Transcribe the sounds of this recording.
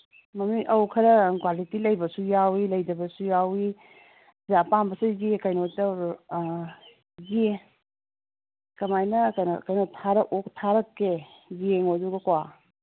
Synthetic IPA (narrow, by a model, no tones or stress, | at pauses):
mɐmiʔɐwkʰɐɾɐkwalitilɐjbɐsujawilɐjdɐbɐsujawi | zapambɐseɡekɐjnotɐ | ɡe | kɐmajnɐkɐnɐ̰kɐjnotʰːaɾɐʔoktʰaɾɐkːe | ɡeŋoduɡɐkwa